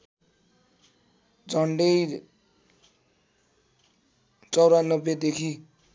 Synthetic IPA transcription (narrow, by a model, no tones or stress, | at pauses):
d͡zʱʌɳɖʌj | t͡sʌwɾanʌbjed̪ekʰi